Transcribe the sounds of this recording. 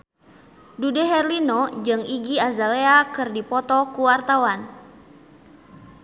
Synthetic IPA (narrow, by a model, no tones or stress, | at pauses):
dudɛɦɛrlinɔd͡ʒɨŋiɡiazaleakɨrdipɔt̪ɔkuwart̪awan